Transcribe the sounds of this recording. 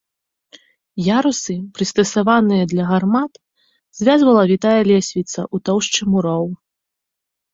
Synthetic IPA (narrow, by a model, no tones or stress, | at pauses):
jaɾusɨpɾɨst̪ɐsavanɨjɐd̪lʲɐɣarmat̪ | z̥ʲvʲazvɐlˠɐvʲit̪ajɐlʲɛsʲvʲit̪sɐ̰ʔut̪ɔwʂt͡ʂɨmuɾɔw